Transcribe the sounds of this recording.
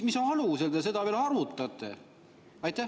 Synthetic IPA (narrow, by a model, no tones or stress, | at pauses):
misonɑluseld̪es̬e̞d̪̥ɑveːlhɑrmut̪ːˑɑt̪ˑːḛ | ɑjt̪ːˑæ